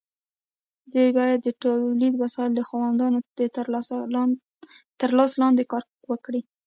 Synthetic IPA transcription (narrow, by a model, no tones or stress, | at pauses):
d̪ebɑjad̪ːəʈolid̪masɑɪld̪əxwɑwand̪ɑnoə | t̪əɾlɑslɑnd̪ekɑɾ | wəkɽi